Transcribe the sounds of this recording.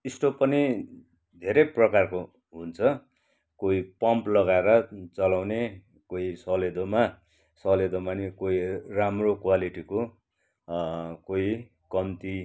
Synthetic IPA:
isʈopʌni | d̪ʱeɾʌprʌkarko | ɦunt͡sʰʌ | koipʌmplʌɣaeɾʌt͡sʌlawne | koisʌled̪oma | sʌled̪omanikoiramrokwaliʈiko | koi | kʌmt̪i

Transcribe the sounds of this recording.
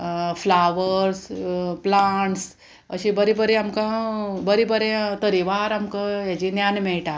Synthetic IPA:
flaʋəɾsplaɳʈs | ə̰ɕibəɾibəɾeamkãbəɾibəɾet̪əɾiʋaɾamkajat͡ɕinjanmeɭʈa

